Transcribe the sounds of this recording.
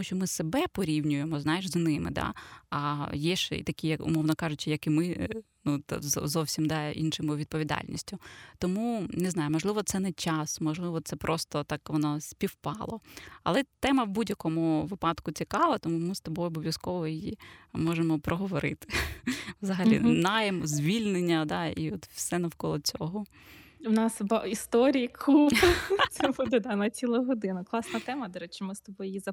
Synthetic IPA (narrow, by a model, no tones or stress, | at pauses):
uʃʲt͡ʃɔmɪsebɛpɔɾʲiwnʲʊjemɔznajeʒznɪmɪ̰d̪a̰ɐjɛʃɛ̰ḭt̪ɐkʲijɐkʊ̰mɔʋnɔkɑʐʊt͡ʃɪjɐkimɪ | nut̪zzɔwsʲimd̪ɑḭnʃɪmʊʋʲid̪̚pɔʋʲid̪ɑ̰lʲnʲḭsʲtʲʊt̪ɔmunɪznɑjʊmɔʒlˠɪʋɔt̪sɛnɛt͡ʃɑsmɔʒlˠɪʋɔt̪sɛpɾʔɔst̪ɔt̪ɑkʋɔnɔsʲpʲiwpɑlˠɔ̰ɐ̰lˠɛt̪ɛmɐwbudʲjɐkɔmʊʋɪpɑd̪kʊt͡sʲikɑʋɐt̪ɔmumɪst̪ɔbɔjɔbɔʋʲjɐskɔʋɔjijimɔʒemɔpɾɔɦɔʋɔɾɪ̰t̪ɪ̥ʋzɐɦɐlʲḭnɑjɐmzʲʋʲilʲnenʲːɐd̪ɑḭɔt̪wsɛnɐwkɔlˠɔt͡sʲɔɦɔ | wnɑsbaist̪ɔɾʲijkʰu | sɛbud̪ɛd̪ɑnɐt͡sʲilˠɐɦɔd̪ɪnɐklˠɑsnɐt̪ɛmɐd̪ɔɾɛt͡ʃɪmɪst̪ɔbɔjʊjizɐ